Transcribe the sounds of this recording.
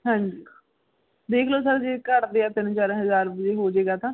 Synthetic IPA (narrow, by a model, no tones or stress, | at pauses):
ɦãːɲd͡ʒi | d̪eːkʰloːsəɾd͡ʒeːkəɾd̪eːaːt̪ɪnt͡ʃaːɾɦəzaːɾbəd͡ʒeːɦoːd͡ʒeːɡaːt̪ãː